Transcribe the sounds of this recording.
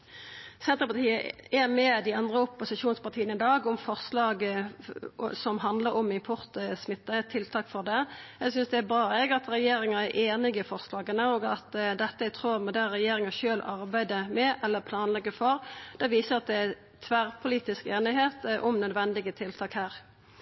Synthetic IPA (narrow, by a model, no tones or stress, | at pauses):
sɛnt̪ʁəpɑt̪ʰiːəɛmɛd̪ɪɑnd̪ʁəʊpːʊsɪʃuːnspɑʁt̪ʰiːənɪd̪ɑːɡʊmfɔʁslɑːɡ | sɔmɦɑnd̪ləɾɔmɪmpʰʊʁt̪əsmɪt̪ːət̪ʰɪlt̪ʰɑːkfɔʁd̪ɛɛɡsʏnsd̪ɛæbɾɑːɛɡɑt̪ɾɛjeːɾɪŋɑæɾʔeːnɪɡəfɔʁslɑːɡənəoːɡɑt̪d̪ɛt̪ːəɛɡt̪ʰʁuːʁmɛd̪æʁɛjeːɾɪŋɑʃøːlɑɾbæɪd̪əmɛʔɛlːəpʰlɑːnlɛɡːəfɔʁd̪̥ɛʋiːsəɾɑt̪̚d̪ɛæ | t̪ʰʋæʁpʰʊliːt̪ɪskeːnɪɦeːt̪ʔɔmnœd̪ʋɛnd̪ɪɡət̪ʰɪlt̪ʰɑːkhæːʁ